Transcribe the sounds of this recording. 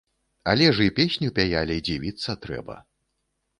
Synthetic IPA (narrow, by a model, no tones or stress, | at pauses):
ɐlʲɛʐipʲesʲnʲupʲajalʲid͡zʲivʲit̪sːɐt̪ɾɛ̰bɐ̰